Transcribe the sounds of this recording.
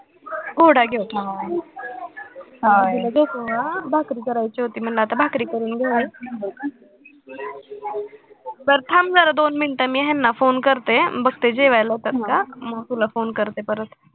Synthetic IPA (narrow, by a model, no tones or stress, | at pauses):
ɡoɽaɡeot̪ | ɦãiad̪ekoʋabʱakɾiːkəɾajt͡ɕiɦot̪iːm̤əɳlaːt̪abʱakɾikəɾiːnɡʱa | t̪əɾt̪ʰamd͡zəɾad̪onminʈamiɦenːafonkəɾt̪ebəɡ̚t̪ed͡ʑeʋajlət̪ət̪kamət̪ulafoːnkəɾt̪epəɾət̪